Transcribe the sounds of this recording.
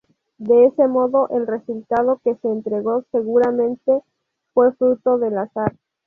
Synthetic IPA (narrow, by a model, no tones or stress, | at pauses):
d̪e̞ese̞mo̞ðo̞ʔelre̞sult̪að̞o̞ke̞seːnt̪ɾe̞ɣo̞se̞ɣuɾamẽ̞nt̪e̞ | fwe̞fɾut̪o̞ðe̞lasaɾ